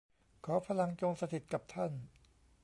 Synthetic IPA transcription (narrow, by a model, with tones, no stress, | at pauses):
kʰɔː˩˦pʰa˧la˧ŋt͡ɕo˧ŋsa˧t̪ʰi˨˩t̪̚ka˨˩p̚t̪ʰa˥˩n